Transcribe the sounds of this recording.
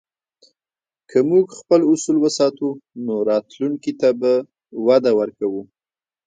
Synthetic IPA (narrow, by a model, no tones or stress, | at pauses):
kʰəmuɡxpəlʊsulwəsɑt̪unoɾɑt̪luŋkit̪aba | wad̪awəɾkawu